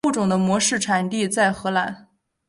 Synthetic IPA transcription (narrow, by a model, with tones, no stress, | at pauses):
u˥˩ʈ͡ʂʊ˨˩ŋd̪ə˦mwɔ˧˥ʂɻ̩˥˩ʈ͡ʂʰa˨˩nt̪i˥˧t͡sa˥˩ɪxɤ˧˥la˧˥˦n